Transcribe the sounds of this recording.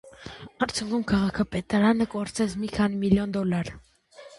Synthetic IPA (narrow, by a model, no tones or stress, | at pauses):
ɑɾt͡sʰjɔkumkʰɑʁɑkʰɑpɛt̪ɑɾɑnəkɔɾt͡sɛt͡sʰmikʰɑnimiljɔnd̪ɔlɑɾ